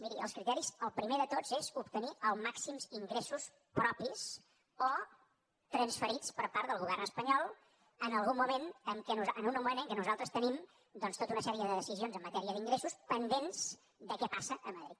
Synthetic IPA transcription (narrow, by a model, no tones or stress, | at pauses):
miɾiəlˠskɾit̪ɛɾizəlˠpɾimeðət̪od͡zz̥ezupt̪əniəlˠmaksimziŋɡɾesus | pɾɔpis | o | t̪ɾənsfəɾit͡spəɾpaɾt̪ðəlˠɣ̞uβ̞ɛrnəspəɲɔlˠ | ənəlˠɣ̞umːumenəŋkɛnuzənumumẽnəŋkɛnuzalˠt̪ɾəst̪ənim | d̪ɔnst̪ot̪unəsɛɾiəðəðəsizionzəmːət̪ɛɾiəðiŋɡɾesuspənd̪enz̥ | d̪əkɛpasəʔəməðɾit̪